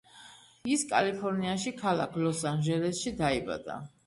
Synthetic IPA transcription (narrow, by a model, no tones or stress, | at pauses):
iskʼa̰lipʰɔɾniaʃikʰalakʰlɔsanʒɛlɛsʃid̪aiba̰d̪̥a̰